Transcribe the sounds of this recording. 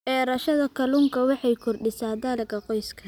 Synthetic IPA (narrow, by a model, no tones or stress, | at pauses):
ɛːɾɐʃɐðɐkʰɐluŋkʰɐwɑħɑjkʰʊrɖɪsaːd̪aːlɐɡɐqɔjskʰɐ